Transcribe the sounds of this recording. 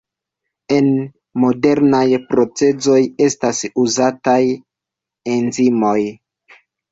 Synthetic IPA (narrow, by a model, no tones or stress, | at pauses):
e̞n | mo̞de̞ɾnajpɾo̞t͡se̞zo̞je̞stasuzataj | enzimo̞j